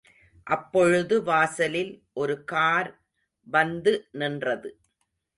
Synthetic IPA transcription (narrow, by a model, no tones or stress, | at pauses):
ʔɐpːɔɻɯðɯʋaːsɐlɪlʔɔɾɯkaːɾ | ʋɐnd̪ɯnɪndrɐðɯ